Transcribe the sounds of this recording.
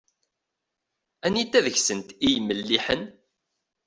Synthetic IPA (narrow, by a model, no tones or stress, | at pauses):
ænit̪ːæðəçsənt̪ijmːəlːiħən